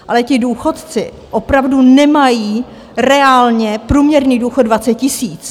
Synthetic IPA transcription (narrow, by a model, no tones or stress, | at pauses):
ʔalɛcɪduːxo̞t̪t͡sɪ | ʔo̞pɾavdunɛmajiː | ɾɛaːlɲɛpɾuːmɲɛɾniːduːxodvatt͡sɛt̪̚cɪsiːt͡s